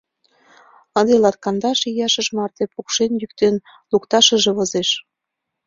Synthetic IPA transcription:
ɤnd̪elɑt̪̚kɑnd̪ɑʃijɑʃə̆ʃmɑrt̪epukʃenjyk̚t̪en | lukt̪ɑʃə̆ʒĕβɤ̆zeʃ

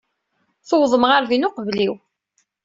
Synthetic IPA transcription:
θowðˤəmʁaɾðinʊqvliw

